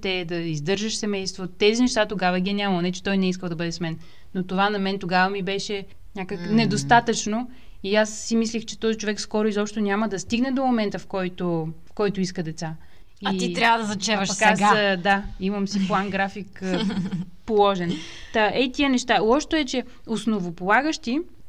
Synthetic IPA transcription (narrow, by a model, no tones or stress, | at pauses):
t̪ɛd̪ɐizd̪ɤɾʒəʃsɛmɛjst̪vot̪ɛzinɛʃt̪at̪oɡavəɛɡʲiɛnʲamɐlˠnɛt͡ʃɛ̥t̪ɔjnɛiskəlˠd̪ɐbɤd̪ɛsmɛn | not̪ovanɐmɛnt̪oɡavəmibɛʃɛ | nʲakəknɛd̪ost̪at̪ət͡ʃno | iasːimislʲixt͡ʃɛt̪ɔzit͡ʃovɛkskɔɾʊizɔpʃt̪onʲaməd̪ɐst̪iɡnɛd̪omomɛnt̪əfkɔjt̪ofkɔjt̪ʊiskəd̪ɛt̪sa | iaiɾjavəd̪ɐzɐt͡ʃɛvəʃkɛɡəd̪aiməmsiplˠanɡɾafik | polˠɔʒɛn | t̪aɛit̪iənɛʃt̪alˠɔʃt̪oɛt͡ʃɛ | osnovopolˠaɡəʃt̪i